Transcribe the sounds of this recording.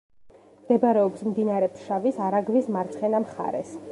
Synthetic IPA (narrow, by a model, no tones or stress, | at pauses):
md̪̥ɛbaɾɛɔpsmd̪inaɾɛpʰʃavisaɾaɡvismaɾt̪sʰχɛnamχa̰ɾɛ̰s